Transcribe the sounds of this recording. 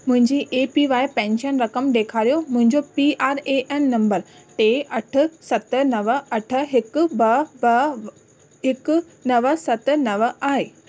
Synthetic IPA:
mʊ̃ɦɪ̃ɲd͡ʑiːʔeːpiʋaːepɛ̃ːnʃənɾɐkəmɗ̪eːkʰaːɾijomʊ̃ɦɪ̃ɲd͡ʑopiaːɾeʔɛːnːɐ̃mbəɾʈeːɐʈʰʊ̆sɐt̪̆nɐʋə̆ɐʈʰə̆ɦɪkʊbɐbɐ | ɦɪk | nɐʋəsɐt̪̆nɐʋəaːɦeː

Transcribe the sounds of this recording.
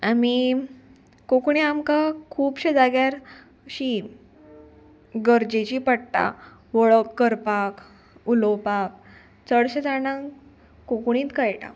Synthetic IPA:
ami | kokɳiamkakʰuːpɕed͡zaɡjaɾ | ɕi | ɡəɾd͡ʑet͡ɕiːpəɽta̰ | ʋəɭəkːəɾpak | ulopak̚ | t͡səɽɕed͡zaɽ̃ãŋ | kokɳ̃ĩːt̪kajʈa̰

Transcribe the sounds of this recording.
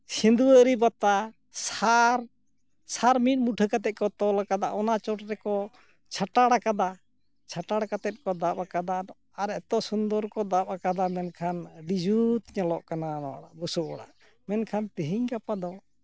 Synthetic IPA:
sind̪uəɾibat̪a | saɾ | saɾmit̪̚muʈʰəkat̪ɛt̪̚kɔt̪ɔlakad̪aʔɔnat͡ʃɔʈɾɛkɔ | t͡ʃʰaʈaɽakad̪a | t͡ʃʰaʈaɽkat̪ɛt̪̚kɔd̪aʔakad̪a | aɾɛt̪ɔsund̪ɔɾkɔd̪apakad̪amɛnkʰanɖid͡ʒut̪ɲɛlɔʔkananɔwaɽaʔbusɔʔɔɽa̰ʔ | mɛnkʰant̪ɛɦiɲkapad̪ɔ

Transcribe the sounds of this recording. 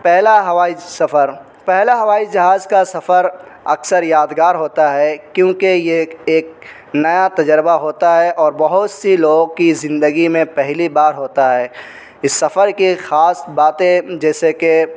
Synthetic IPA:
pɛɦlaɦɐʋaːisɐfʰəɾ | pɛɦlaɦɐʋaːid͡ʒɐɦaːzkasɐfəɾ | ɐ̰ksəɾjaːd̪ɡaːɾɦoːt̪aɦɛkjõːkejeeːk̚ | nɐjat̪ɐd͡ʒəɾbaɦoːt̪aɦɛʔɔːɾbɐɦʊt̪siloːɡ̚kizɪ̃nd̪əɡimẽpɛɦlibaːɾɦoːt̪aɦɛː | ɪsːɐfəɾkixaːsbaːt̪ẽd͡ʒɛːseke

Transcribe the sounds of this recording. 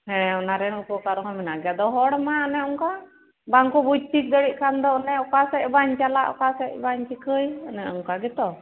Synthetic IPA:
hɛ̃ɔnaɾɛnukɔkaɾɔɦɔmɛnaɡɛad̪ɔɦɔɽmaənɛɔŋka | baŋkɔbud͡ʒ̚t̪ʰik̚d̪əɽiʔ̚kʰand̪ɔnɛɔkasɛʔ̚baɲt͡ʃalaʔɔ̰kasɛʔ̚baɲt͡ʃikəjənɛɔŋkaɡɛt̪ɔ

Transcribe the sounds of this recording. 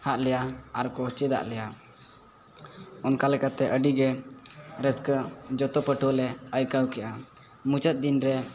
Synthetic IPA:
haʔlɛjaaɾkɔt͡ʃɛd̪a̰ʔlɛja | ɔnkalɛkat̪ɛʔəɖiɡɛ | ɾəskəd͡ʒɔt̪ɔpəʈɔlɛəjkəwkɛʔa | mut͡ʃət̪̚d̪inɾɛ

